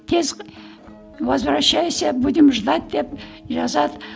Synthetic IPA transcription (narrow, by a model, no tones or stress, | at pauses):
t̪ʰez | vɑzbɾɑʃːɑjsebʊd̪ɪmʒd̪ɑt̪̚d̪epʒɑzɑd̪